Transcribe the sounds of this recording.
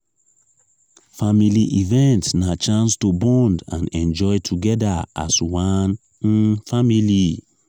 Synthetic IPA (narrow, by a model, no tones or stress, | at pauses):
familiʔivɛ̃ntnat͡ʃãnstobɔ̃ndãnɛ̃nd͡ʒɔɪtʰuɡɛdaa̰swan̩ | famili